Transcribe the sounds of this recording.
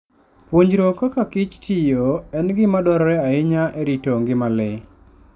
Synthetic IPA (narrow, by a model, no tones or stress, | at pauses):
pwoɲd͡ʒɾokakakɪt͡ʃtʰɪjoɛnɡɪmadɔɾɔɾɛaɪɲaʔɛɾitoŋɡɪmalɪ